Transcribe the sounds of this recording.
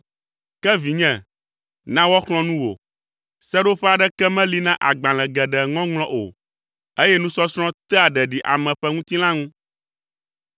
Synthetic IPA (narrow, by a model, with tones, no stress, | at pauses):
kɛ˦vi˨ɲɛ̃˦˨ | nã˦wɔ˦xlɔ̃˦nũ˦wo̰˨ | sɛ˦ɖo˦ɸɛ˦a˨ɖɛ˦kɛ˦mɛ̃˦li˦nã˦ʔa˨ɡ͡bã˨l̃ɛ̃˨ɡɛ˨ɖɛ˨ŋɔ̃˦ŋlɔ̃˦ʔo̰˨ | e˦jɛ˦nũ˦sɔ˦sɾ̃ɔ̃˦t̪ɛ˦a˨ɖɛ˨ɖi˨ʔa̰˨mɛ̃˨ɸɛ˦ŋũ˦t̪i˦l̃ã˦ŋũ˦